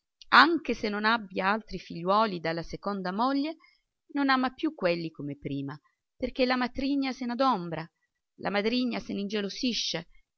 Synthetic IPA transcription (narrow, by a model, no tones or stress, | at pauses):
aŋk̟esenːonabːjaalt̪ɾifiʎːwɔːlid̪alːasekond̪amoʎːe | nonaːmapjukːwelːikomepɾiːma | perk̟elamat̪ɾiɲːasenad̪ombɾa | lʔa̰mad̪ɾiɲːasenind͡ʒelosiʃːe